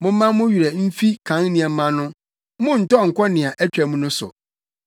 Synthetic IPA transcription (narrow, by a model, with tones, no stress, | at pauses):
mʊ̃˦m̩˦mã˦mʊ̃˦ɥi˨ɾɛ˨m̩˦fi˦kʰã˨˦ŋnĩ˨ɛ˨˦mã˦nʊ̃˦ | mʊ̃˦n̩˨tɔ˦˨ŋ̩˨kʰʷɔ˦nɪ̃˨a˨ʔæ˦t͡ɕᶣɛ˨mũ˦nʊ̃˦sʊ̰˨